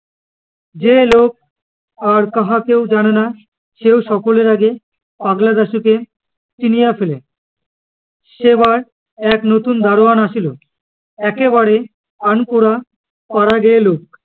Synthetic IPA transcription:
d͡ʑelok̚ | aɾkaɦakewd͡ʑanena | ʃewʃɔkoleɾaɡe | baɡlad̪aʃuke | t͡ɕinijafele | ʃeβaɾ | ɛknot̪und̪aɾoanaʃʰilo | ɛkeβaɾe | ankuɽa | paɾaɡɛelok̚

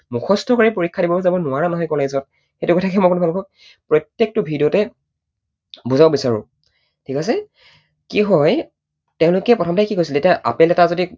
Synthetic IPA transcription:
mukʰɔstʰɔkɔɹipoɹikʰːadibɔbzabɔnʊaɹanɔɦɔjkɔlezɔt̚ | xejtʊɡɔtʰakɛmɔjkonʊbʱalbɔk̚ | pɹɔtːjek̚tʊbʱidijɔtɛ | buzabɔbisaɹʊ̰ | tʰikas̬ɛ | kiɦɔj | teʊ̃lʊkɛpɹɔtʰɔmtajkikojsiltetijaʔa̰pɛlɛtazodi

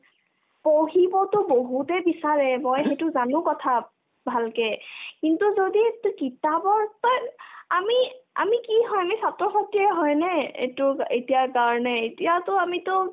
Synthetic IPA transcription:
poɦibɔtʊboɦutɛbisaɹɛmojxetʊzanʊ̃kɔtʰa | bʱalkɛkintuzoditʊkitabɔɹtɔjamia̰mikiɦɔjamisatɹɔsɔtiɛɦɔjnɛḛtʊetijakaɹnɛetiatʊamitʊ

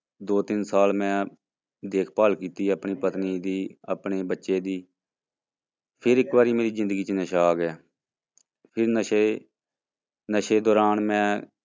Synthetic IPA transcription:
d̪oːt̪ɪnsaːlmɛ̃ː | d̪eːkʰpaːlkiːt̪iːəpɳiːpət̪niːd̪iːəpneːbətːʃeːd̪iː | pʰɪɾɪkbaːɾiːmeːɾiːzɪ̃nd̪əɡiːt͡ʃənəʃaːɡɪjaː | pʰɪɾnəʃe | nəʃeːd̪ɔːɾaːnmɛ̃ː

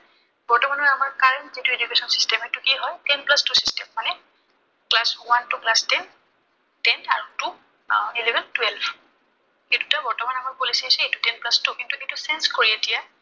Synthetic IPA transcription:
bɔɹtɔmanɔamaɹkaɹɛntzitued͡ʒukesɔnsi̥stɛmɛtukiɦɔjtɛnplastusi̥stɛmːanɛ | klaswantuklastɛn | tɛna̰ɹutu | ilɛbʱɛntwɛlb | kitu̥tabɔɹtɔmanamɔjkolisaisɛetu̥tɛnplastukintukitusɛnskoɹietija

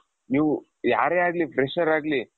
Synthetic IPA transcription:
niːʋu | ja̰ːɾeaːɡlipɾeʃɐɾaːɡli

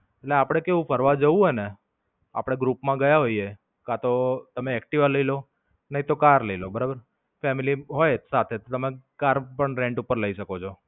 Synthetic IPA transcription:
eʈleapɽ̃ekeʋũpʰəɾʋad͡ʒəũɦojne | a̰pɽ̃eɡɾupmãɡəjaɦoie | kãt̪ot̪əmeɛkʈiʋaləilo | nəɦĩt̪okaɾləilobəɾabəɾ | fɛmiliɦojsat̪ʰet̪ot̪əmekaɾpəɳɾẽɳʈupəɾləiʃəkot͡ʃʰo

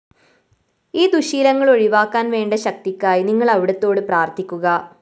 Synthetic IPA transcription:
iːd̪uɕiːlɐŋːɐɭo̞ɻiʋaːkːaːnʋe̞ːɳɖɐɕɐk̚t̪ikʲːaːjiniŋːɐɭɐʋiɽɐt̪ːo̞ːɽɨpraːrt̪ʰikʲːuɣɐ

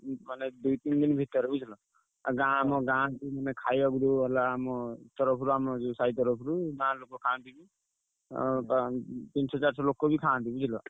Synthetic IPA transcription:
maned̪ujt̪ind̪inbʱit̪ɔɾut͡ʃʰɔlɔ | a̰ɡãmɔɡãt̪imanekʰajbaɡuɾuɔlaːmɔt̪ɔɾɔpʰɾuamɔd͡ʒusait̪ɔɾɔpʰɔɾuɡãlokːokʰãnt̪ibi | pat̪insɔd͡zaɾsɔlokːobʱikʰãnt̪iɡid̪ʱilɔ

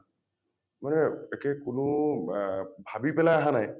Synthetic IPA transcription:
manɛɛkɛkʊnʊ | bʱabipɛlajaɦanaj

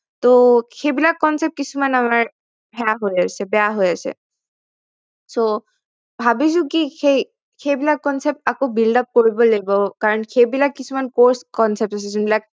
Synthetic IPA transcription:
t̪oxebilak̚kːɔnsep̚ʈ̚kit͡ɕʰumanamaɹ | bʱɛaɦoeasʰebɛaɦojasʰḛ | so | bʱabid͡ʒukixe | xebilakkɔnsep̚ʈakobilɖɔp̚koɹibolebokaɹɔnxebilak̚kːit͡ɕʰumankoɾskɔnsep̚ʈasʰezunbilak̚

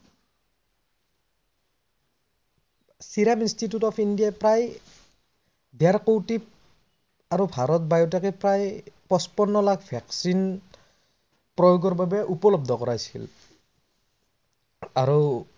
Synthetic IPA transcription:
siɾaminstitjutɔpʰindijajpɹaj | dɛaɹkowtip | aɾubʱaɾɔt̚bajɔtakepɹajpɔspɔnːɔlaɡbʰʱaksin | pɹɔjoɡɔɹbabɛʔupɔlɔb̚d̪ʱɔkɔɹajsḭl | aɹɔ

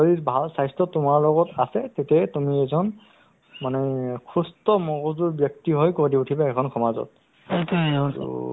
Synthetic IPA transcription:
ɔɹibʱalsajstʰɔtʊmaɹlɔɡɔtasɛtetɛtumiɛzɔn | manɛkʰustɔmɔɡɔzuɹbjɔk̚tiɦɔjkoɹdiutʰibaɛkʰɔnxʰɔmazɔ̰t̚

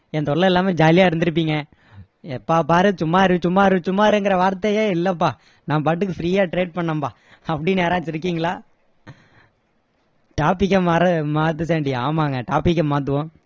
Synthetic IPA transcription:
ɛnd̪ɔɭːɐɪlːaːmed͡ʒaːlɪjaːɪɾɯnd̪ɯɾɯp̬ːiːŋɡɐ | ɛpːaːpaːɾɯsʊmːaːɪɾɯ̃t͡ʃʊmːaːɪɾɯ̃t͡ʃʊmːaːɪɾɯŋɡɪɾɐʋaːɾt̪ːɐjeːɪlːɐpːaː | nãːpaːʈ̬ːɯkːɯfɾiːjaːʈɾeːʈ̚pɐɳːɐmbaː | ɐpːɐɽɪnːeːɾãːt͡ʃːɪɾɯk̬ːiːŋɡɐɭaː | ʈaːpɪk̬ːɐmaːɾɐmaːt̪̬ːɯs̬eːɳɖɪaːmaːŋɡɐʈaːpɪkːɐmːaːt̪̬ːɯʋʊ̃

